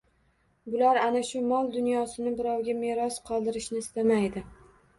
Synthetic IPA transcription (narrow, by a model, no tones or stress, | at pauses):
bʊlaɾanaʃʊmɒlˠd̪ʊnjɒsɪnɪbɪɾɒwɡʲameɾɒsqʰɒlˠd̪ɪɾɪʃnɪːst̪amajd̪ɪ